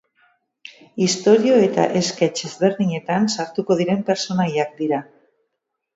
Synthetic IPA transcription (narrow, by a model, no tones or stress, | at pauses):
ist̪o̞ɾioe̞t̪a̰ʔe̞skat͡ʃezβe̞ɾðiɲe̞t̪ansaɾt̪uko̞ð̞iɾe̞mpe̞ɾso̞najak̚d̪iɾa